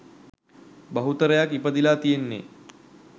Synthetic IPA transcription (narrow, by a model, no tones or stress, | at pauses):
bɐɦut̪əɾəjakipəd̪ilaːt̪ijenːḛ